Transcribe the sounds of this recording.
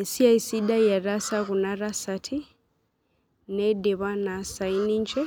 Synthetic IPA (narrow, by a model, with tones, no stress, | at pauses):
e˨si˦a˨isi˦da˦ja˨ɾa˦sa˦ɣu˨na˦ɾa˦satʰi˦ | nede˨βa˦na˨sa˨i˦ni˦nt͡ʃɛ˦